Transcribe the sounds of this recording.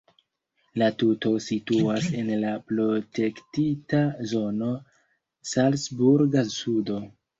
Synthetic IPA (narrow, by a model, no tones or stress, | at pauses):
latuto̞situase̞nlapɾo̞te̞ktitazo̞no̞ | salsbuɾɡasudo̞